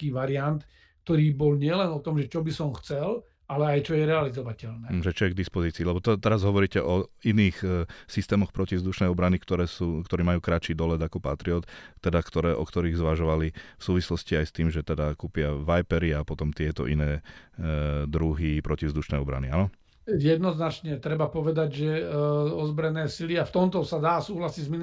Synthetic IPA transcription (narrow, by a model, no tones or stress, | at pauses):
kiːʋaɾiant̪ | k̚t̪ɔɾiːbɔlɲɪɛlɛnɔt̪ɔmʒɛt͡ʃɔbisɔmxt͡sɛl | alɛajt͡ʃɔjɛɾɛalizɔʋacɛlnɛːʒɛt͡ʃɔɛɡ̚d̪ispɔziːt͡siːlɛbɔt̪ɛt̪ɛɾazɦɔʋɔɾiːcɛʔɔiniːxsist̪ɛːmɔxpɾɔcivzd̪uʃnɛjɔbɾanikt̪ɔɾɛːsuːkt̪ɔɾiːmajuːkɾat͡ʃiːd̪ɔlɛd̪akɔpat̪ɾiɔt̪t̪ːɛd̪akt̪ɔɾɛːʔɔkt̪ɔɾiːɣzʋaʒɔʋalifsuːʋislɔsciajst̪iːmʒɛt̪ɛd̪akuːpɪaʋajpɛɾiapɔt̪ɔmt̪ɪɛt̪ɔ̰ʔinɛː | d̪ɾuɦipɾɔciʋvzd̪uʃnɛɔbɾa̰nianɔ | jɛd̪nɔznat͡ʃɲɛt̪ɾɛbapɔʋɛd̪aɟʒɛɔzbɾɛnɛːsiliaft̪ɔmt̪ɔsad̪aːsuːɦlasizmin